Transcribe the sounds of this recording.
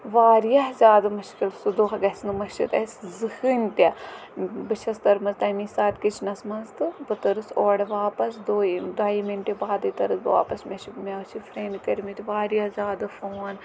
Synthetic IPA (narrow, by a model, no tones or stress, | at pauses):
ʋaːɾijɐɦzʲjaːd̪ɐmɐʃkilsud̪uxɐɡɐsnɨmɐʃḭt̪ɐsʲzɨhɨnʲt̪ʲɐ | bɨt͡ʃʰɐst̪ɐɾmɐzt̪ɐmisaːt̪ʲkit͡ʃʰnɐsmɐnzt̪ɨbɐt̪ɐɾɨsoːɽɐʋaːpɐsd̪oːd̪aːjiminʈʲebaːd̪ɨt̪ɐɾɨt̪ba̰ːpɐsmʲɐt͡ʃʰimʲet͡ʃʰifʰɾeːnkɐɾʲmit̪ʲiʋaːɾijɐhzʲaːd̪ɐfoːn